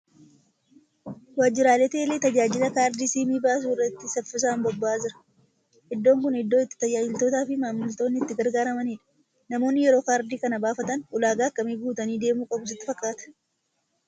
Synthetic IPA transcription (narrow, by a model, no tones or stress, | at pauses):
waːd͡ʒːɪɾaːleːt̪eːleːt̪ɐd͡ʒaːd͡ʒɪlɐkaːɾd̪iːsiːmiːbaːs̬uːɪrːɐt̪ːɪsɐfɪs̬aːmbɔbːaːzɪɾɐ̥ | ʔɪd̪ːo̞ːŋkʊnɪd̪ːo̞ːɪt̪ːɪ̥t̪ɐd͡ʒaːd͡ʒɪlt̪o̞ːt̪aːfɪmaːmːʊlt̪o̞ːnːɪt̪ːɪɡɐɾɡaːɾɐmɐniːᶑɐ̥ | nɐmo̞ːnːɪjɛɾo̞ːkaːɾd̪iːkɐnɐbaːfɐt̪ɐnʔʊlaːɡaːkːɐmiːɡuːt̪ɐniːd̪e̞ːmuːkʼɐbʊs̬ɪt̪ːɪfɐkʼːaːt̪ɐ̥